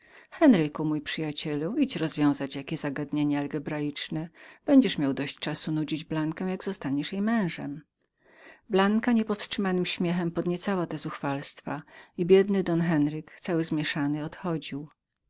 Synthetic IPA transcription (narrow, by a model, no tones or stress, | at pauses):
xɛnɾɘkumujpʂɘjat͡ɕɛluit͡ɕɾɔzvʲjɔ̃w̃zat͡ɕjakʲɛzaɡad̪ɲeɲɛalɡɛbɾajit͡ʂnɛb̥ɛɲd͡ʑɛʂmʲjawd̪ɔɕt͡ɕt͡ʂasunud͡ʑid͡ʑblaŋkɛ̃jaɡzɔst̪aɲɛʂjejmɛ̃w̃ʐɛ̰m | blaŋkaɲɛpɔfstʂɘmanɘmɕmʲjɛxɛmpɔd̪ɲɛt̪sawat̪ɛzuxfalst̪faibʲjɛd̪nɘd̪ɔnxɛnɾɘkt̪sawɘzmʲjɛʂanɘɔt̪xɔd͡ʑiw